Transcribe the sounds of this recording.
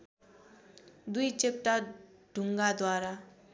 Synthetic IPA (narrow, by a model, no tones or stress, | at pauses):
d̪ujt͡ɕep̚ʈa | ɖ̥ʱuŋɡad̪waɾa